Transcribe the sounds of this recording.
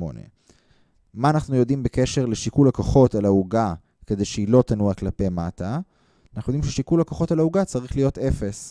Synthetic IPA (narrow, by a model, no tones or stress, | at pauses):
o̞̰nḛ | maːnaχnujo̞dimbekeʃe̞ʁleʃikulakoχo̞talauɡa | ke̞dejʃeilo̞tanuaklapejmata | naχnujdimʃeʃikulakoχo̞talauɡat͡saʁiχlijo̞te̞fe̞s